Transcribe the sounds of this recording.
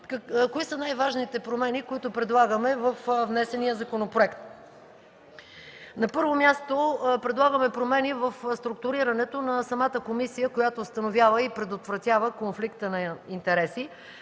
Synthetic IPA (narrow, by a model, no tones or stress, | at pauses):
kkoisənajvaʒnit̪ɛpɾomɛnikoit̪ʊpɾɛd̪lˠaɡəmɛvəfvnɛsɛnijəzɐkonopɾoɛkt̪ | nɐpɤɾvomʲjast̪opɾɛd̪lˠaɡəmɛpɾomɛnivəfst̪ɾuk̚t̪ʊɾiɾɐnɛt̪onɐsɐmat̪əkomisijəkojat̪oːst̪ɐnovʲjavəipɾɛd̪ot̪vɾɐt̪ʲjavəkonflikt̪ənɐint̪ɛɾɛsi